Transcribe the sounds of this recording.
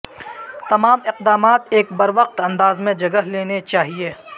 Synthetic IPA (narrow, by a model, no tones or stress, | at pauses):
t̪ɐmaːmɪq̚d̪aːmaːt̪eːkbɐɾʋəq̚t̪ɐ̃nd̪aːzmẽd͡ʒɐɡəɦleːnet͡ʃaːɦieː